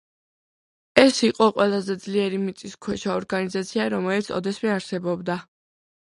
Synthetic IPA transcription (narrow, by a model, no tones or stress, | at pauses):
ɛsiqʼɔqʼwɛlˠazɛd̪zliɛɾimit̪sʼiskʰwɛt͡ʃʰaɔɾɡanizat̪sʰiaɾɔmɛlit̪sʰɔ̰d̪ɛsmɛaɾsɛbɔbd̪a